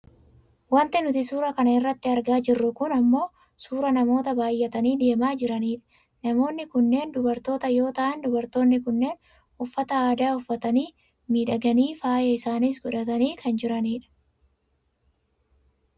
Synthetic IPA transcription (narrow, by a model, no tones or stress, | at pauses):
wɐnt̪ɪnʊt̪ɪsuːɾɐkɐnɐɪrːɐt̪ːɪɐɾɡaːd͡ʒɪrːʊkʊnɐmːo̞ː | suːɾɐnɐmo̞ːt̪ɐbaːjːɛt̪ɐniːd̪e̞ːmaːd͡ʒɪɾɐniːᶑɐ̥ | nɐmo̞ːnːɪkʊnːe̞ːnd̪ʊbɐɾt̪o̞ːt̪ɐjo̞ːt̪ɐʔɐnd̪ʊbɐɾt̪o̞ːnːɪkʊnːe̞ːn | ʊfːɐt̪ɐaːd̪aːʊfːɐt̪ɐniː | miːᶑɐɡɐniːfaːjɐɪsaːniːs̬ɡɔᶑɐt̪ɐniːkʰɐnd͡ʒɪɾɐniːᶑɐ̥